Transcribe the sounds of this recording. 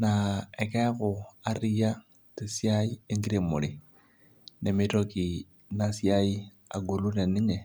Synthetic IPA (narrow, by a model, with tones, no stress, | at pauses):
nae˨ke˦kua˦ɾi˦ja | te˨sjai˦e˦ŋɡi˦ɾe˨mu˨li | ne˨mitoki˨ | nasjai˦ | a̰˨ɡo˨lu˦ne˨ni˦ɲe˨